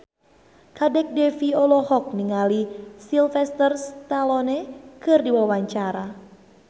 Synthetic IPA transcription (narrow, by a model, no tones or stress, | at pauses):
kadɛk̚defiɔlɔhɔk̚niŋalisilfɛst̪ərst̪alɔnekɨrdiwawaɲt͡ʃaɾa